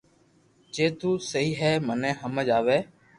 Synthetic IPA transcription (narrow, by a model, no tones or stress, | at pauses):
d͡ʒeːt̪uːsəɦiːɦɛːmənẽːɦəməd͡ʒaːʋeː